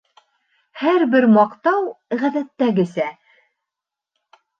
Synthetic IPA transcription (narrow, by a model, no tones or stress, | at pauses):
hæɾbɘɾmɑqt̪ɑwʁæðæt̪ːæɡɘ̆sæ